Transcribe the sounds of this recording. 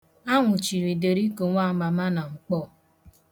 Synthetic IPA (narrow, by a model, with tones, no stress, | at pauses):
a˦ŋʷʊ˨t͡ʃi˨ɾi˨de˨ɾi˦ko˨ŋʷa˦˨˦ma˨ma˦na˨ŋ͡m̩˨k͡pɔ˦˨